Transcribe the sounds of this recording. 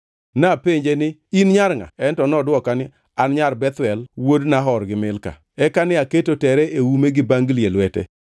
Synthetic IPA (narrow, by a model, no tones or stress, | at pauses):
napeɲd͡ʒenɪinɲaɾŋa̰ɛntɔnɔdwɔkanɪ | anɲaɾbɛt̪wɛlwodnaɦɔɾɡɪmɪlka̰ | ɛkanɪaketotɛɾɛʔewumeɡɪbaŋɡlielwɛtɛ̰